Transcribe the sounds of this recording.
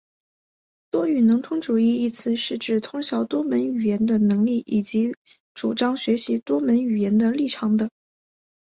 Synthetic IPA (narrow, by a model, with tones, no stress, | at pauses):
t̪wɔ˥y˨˩nɤ˧˥ŋt̪ʰʊ˥ŋʈ͡ʂu˨˩i˥˧i˥˩t͡sʰɹ̩˥˧ʂɻ̩˥˧ʈ͡ʂɻ̩˥˩t̪ʰʊ˥ŋɕjɑ˧˥ʊt̪wɔ˥mə˧˥ny˨˩jɛ˧˥nd̪ə˧nɤ˧˥ŋli˥˩ʔi˨˩t͡ɕi˧˥ | ʈ͡ʂu˨˩ʈ͡ʂɑ˥ŋɕɥɛ˧˥ɕi˧˥t̪wɔ˥mə˧˥ny˨˩jɛ˧˥nd̪ə˧li˥˩ʈ͡ʂʰɑ˧˥ŋd̪ə˧